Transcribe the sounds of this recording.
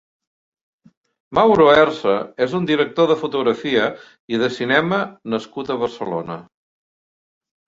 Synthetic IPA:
mawɾoɛrsəezund̪iɾək̚t̪oðəfut̪uɣɾəfiə | iðəsinɛmənəskut̪əβəɾsəlo̰nə

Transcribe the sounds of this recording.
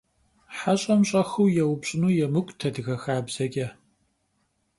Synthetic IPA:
ħaɕʼɐmɕʼɐxuwjɛwpɕʼɪnuːjɛmɨkʷʼtʰɐdɨɣɐxaːbz̥ɐkʲʼɐ

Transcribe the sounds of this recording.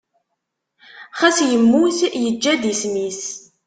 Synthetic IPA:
χæsjəmːuθjəd͡ʒːæd̪ismis

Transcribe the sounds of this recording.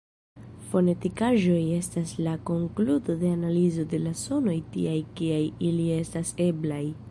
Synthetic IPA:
fo̞ne̞tikaʒo̞je̞staslako̞ŋkluto̞de̞analizo̞de̞laso̞no̞jtḭajkiajilie̞stase̞blaj

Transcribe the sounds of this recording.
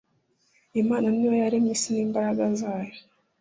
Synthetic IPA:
emaːnaniwajaɾemiːsiniːmbaɾaɡazaːjo

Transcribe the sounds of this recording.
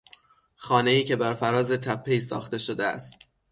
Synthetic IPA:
xɒːne̞iːcʰe̞bæɾfæɾɒːzet̪ʰæpʰːejsɒ̰ːxt̪e̞ʃod̪eæ̰st̪̚

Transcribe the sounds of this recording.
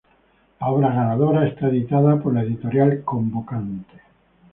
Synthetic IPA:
laoβɾaɣanaðoɾaest̪aeðit̪aðapoɾlaeðit̪oɾjalkombokant̪e̥

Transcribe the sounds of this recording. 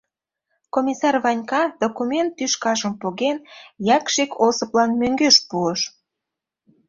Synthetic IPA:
komʲisɑrβɑnʲkɑd̪okumʲent̪ːyʃkɑʒəmpoɣenjɑkʃikosɤplɑnmøŋɡøʃpuəʃ

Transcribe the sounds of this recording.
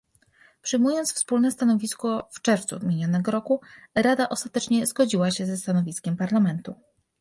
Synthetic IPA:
pʂɘjmujɔnt̪sfspulnɛst̪anɔvʲiskɔft͡ʂɛɾft̪suvʲmʲjeɲɔnɛɡɔɾɔkuɾad̪aʔɔst̪at̪ɛt͡ʂɲɛzɡɔd͡ʑiwaɕɛzɛst̪anɔvʲiskʲɛmpaɾlamɛnt̪u

